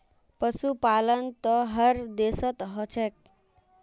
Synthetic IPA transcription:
pʌsupalənt̪ʌɦəɾd̪esʌt̪ɦʌt͡ʃʰek̚

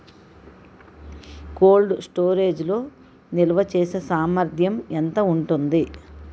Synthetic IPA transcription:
ko̞ːlɖsʈo̞ːɾeːd͡ʒlo̞ː | nilɐʋɐt͡ʃeːsesaːmɐɾd̪ʱjɐment̪ɐuɳʈund̪i

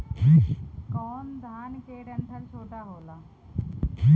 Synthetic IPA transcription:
kikɔːnd̪ʱaːnkeːɽɐnd̪ʰʱəɾsoːʈaɦoːlaː | ki

